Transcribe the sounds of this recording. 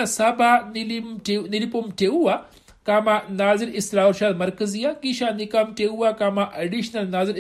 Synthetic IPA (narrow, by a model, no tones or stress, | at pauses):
asabanilimenilipumʈʰeuʋa | kamanaziɾisɾauɾʃaːd̪mɐɾkəzijakiɕanikamʈʰeuʋakamaʔɐɖiɕnɐlnaːziɾ